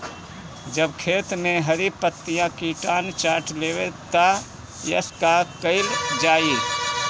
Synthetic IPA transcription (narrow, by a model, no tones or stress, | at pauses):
d͡ʒəbkʰet̪meɦəɾipət̪ːijãkiʈant͡ʃaɾʈlewet̪a | jə̰skakəɪld͡ʒaːi